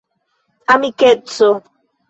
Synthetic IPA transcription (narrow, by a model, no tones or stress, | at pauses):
amiket͡so